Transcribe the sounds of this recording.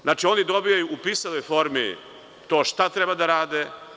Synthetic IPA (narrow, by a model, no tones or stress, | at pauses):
znaːt͡ʃio̞nid̪o̞bijajuʔupisalojfo̞ːɾmḭ | t̪o̞ːʃt̪at̪ɾebad̪aɾaːd̪e